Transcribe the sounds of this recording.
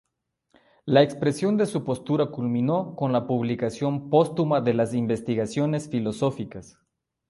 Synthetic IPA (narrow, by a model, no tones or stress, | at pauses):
laekspɾe̞sjo̞nd̪e̞supo̞st̪uɾakulmĩno̞ko̞nlapuβlikasjo̞mpost̪umaðelasimbe̞st̪iɣasjo̞nesfilo̞sofikas